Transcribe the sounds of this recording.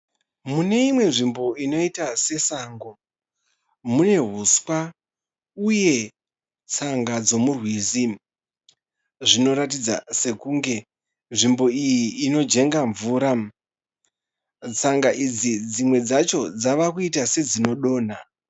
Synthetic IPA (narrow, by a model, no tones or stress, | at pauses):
mune̞imwe̞nʐimbo̞ino̞itase̞saːŋɡo̞ | mune̞ɦuskwa | uje̞ | t͡saŋɡad͡zo̞murwizi | ʐino̞ɾatid͡za̰se̞kuːŋɡe̞ | nʐimbo̞ijiːno̞d͡ʒe̞ŋɡaɱvuːɾa | t͡saŋɡaʔid͡zid͡zimwe̞d͡zat͡ʃo̞d͡zaʋakuitase̞d͡zino̞ɗo̞ːna